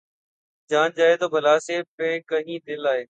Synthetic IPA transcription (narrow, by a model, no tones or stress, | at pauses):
d͡ʒaːnd͡ʒaːɦeːt̪oːbʱəlaːseːpẽːkəɦĩːd̪ɪlaːɦeː